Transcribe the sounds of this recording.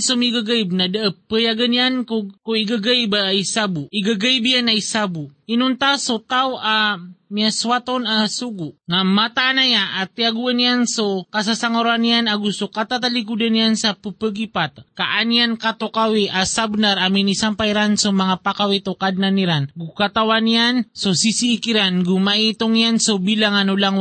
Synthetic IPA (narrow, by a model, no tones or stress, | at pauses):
somiɡəɡəibnadəəpəjaɡəniankokoiɡəɡəibaisabuiɡəɡəibianaisabuinunt̪asot̪auamiaswat̪onasuɡunamat̪aːnajaat̪iaɡuəniansokas̬asaŋoɾanijanaɡusokat̪at̪alikud̪anijansapəpəɡipat̪kaʔanjankat̪okawiʔasabnaɾaminisampajɾansomaŋapakawit̪okad̪̚naniɾanɡukat̪awanijansosisiːkiɾanɡumaʔit̪oŋjansobilaŋanolaŋ